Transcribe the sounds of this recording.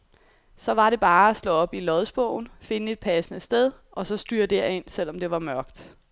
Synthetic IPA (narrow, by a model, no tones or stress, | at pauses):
sɒ̽ʋɑ̈ɾe̝b̥ɑ̈ːæslɔ̽ɒ̽b̥ilɒ̽ðˠsb̥ɔʊn̩fe̝nəe̝d̥̚pʰæsənəsd̥eð̞ˠ | ʔɒ̽sɒ̽sd̥yːɐ̰d̥eɐe̝n̰sel̰ɒ̽md̥e̝ʋɑ̈mɶɐɡ̥d̥